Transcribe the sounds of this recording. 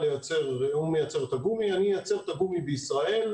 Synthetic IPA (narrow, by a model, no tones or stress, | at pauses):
lejat͡se̞ʁumejat͡se̞ʁet̪aɡumianijat͡se̞ʁt̪aɡumibeisʁae̞l